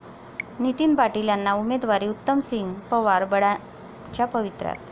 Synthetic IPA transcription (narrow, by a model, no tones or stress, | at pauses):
nit̪iːnpaʈiljanːaumed̪ʋaɾiːut̪ːəmsiŋɡpəʋaɾbəɽa | t͡ɕjapəʋit̪ɾa̰t̪